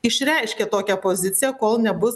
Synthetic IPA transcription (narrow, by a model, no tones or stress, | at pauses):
ɪʃʲɾʲɛɪʃʲkʲet̪oːkʲæpoːzʲɪt̪sʲɪjɛkoːlˠnʲɛbʊs